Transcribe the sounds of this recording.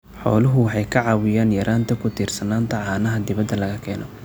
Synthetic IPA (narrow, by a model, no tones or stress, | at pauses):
ħɔ̰ːlʊɦʊwɑħɑjkʰɐʕɑːwɪjaːnjɐɾʔaːnt̪ʰɐkʰʊt̪ʰiːrsɐnaːnt̪ʰɐʕɑːnɐɦɐd̪ɪβɐd̪ːɐlɐɣɐkʰɛːnʔɔ